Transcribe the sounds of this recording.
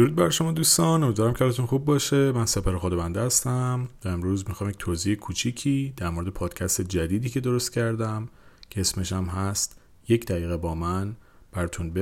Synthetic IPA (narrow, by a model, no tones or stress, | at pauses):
d̪̥oɾuːd̪̚bæɾʃo̞mɒːd̪uːst̪ɒːnomid̪væɾæmcʰeːlɒt̪unxubːɒːʃemænsepʰæɾexod̪ɒvænd̪ehæst̪æmt̪ʰɒe̞mɾuːzmixɒːmjecʲt̪ʰoːziekʰut͡ʃʰiːcʰiːd̪̥æɾmoɾd̪epʰɒːd̪̥cʲʰæst̪ed͡ʒæd̪iːd̪iːcʰe̞d̪o̞ɾost̪̚cʰæɾd̪æmcʰeesme̞ʃæmɦæst̪ | je̞cd̪æɣiːɣebɒːmæn | b̥æɾɒt̪ʰunbe